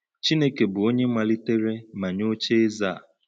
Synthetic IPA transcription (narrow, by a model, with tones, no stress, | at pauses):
t͡ʃi˦ne˦ke˨bʊ˨o˦ɲe˦mʷa˨li˦te˦ɾe˦ma˨ɲo˦t͡ʃe˦e˦za˦˨